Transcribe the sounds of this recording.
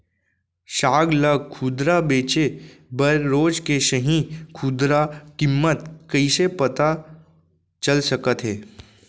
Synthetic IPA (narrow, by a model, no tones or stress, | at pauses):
ʃaːɡlɐɡ̚kʰuːd̪ɾabeːt͡ʃebəɾːoːd͡ʒkeʃəɦĩkʰuːd̪ɾakɪmːət̪̚kɐisepɐt̪a | t͡ʃəlsɐkət̪ɦɛː